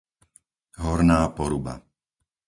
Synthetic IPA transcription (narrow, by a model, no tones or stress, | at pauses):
ɦɔɾnaːpɔɾuba̰